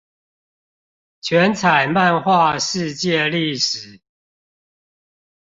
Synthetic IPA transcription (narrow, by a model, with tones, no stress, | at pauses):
t͡ɕʰɥɛ˨˦nt͡sʰa˨˩ɪma˥˨nxwa˥˨ʂɻ̩˥˧t͡ɕjɛ˥˨li˥˨ʂɻ̩˨˩˦